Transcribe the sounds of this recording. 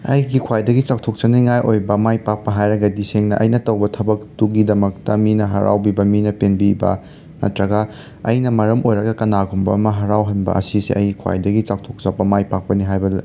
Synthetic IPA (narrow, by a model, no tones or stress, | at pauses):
ɐjɡikʰwajdɐɡit͡ʃak̚tʰok̚t͡ʃɐniŋajʔojbɐmajpak̚pɐɦajɾɐɡɐdiseŋnɐʔɐjnɐtɐwbɐtʰɐbɐk̚tuɡidɐmɐk̚tɐminɐɦɐ̰ɾa̰wbibɐminɐpenbibɐ̰ | mɐ̰tɾɐɡɐ | ɐ̰jnɐmɐɾɐmojɾɐɡɐkɐnaɡumbɐ̰ɐmɐɦɐɾawɦɐnbɐ̰ʔɐ̰sisḛʔɐjɡikʰwa̰jdɐɡit͡ʃak̚tʰok̚t͡ʃapːɐmajpak̚pɐniɦajbɐl